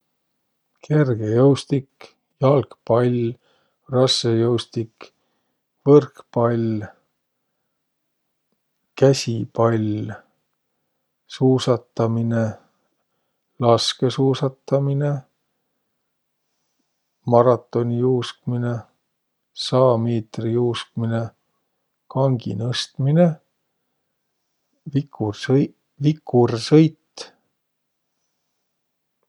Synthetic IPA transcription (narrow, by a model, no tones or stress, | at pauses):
kʰe̞rɡ̥ejɤwst̪ik | jɑlkpɑlʲ | rɑsːejɤwst̪ik | vɤrkpɑlʲ | kæsʲipɑlʲ | suːsɑt̪ːɑmine̞ | lɑske̞suːsɑt̪ːɑmine̞ | mɑɾɑt̪ːˑo̞nʲijuːskmine | sɑːmeːt̪rijuːsk̚mine̞ | kɑŋɡ̥ḭnɤst̪mine | viku | vikːursɤjt̪ː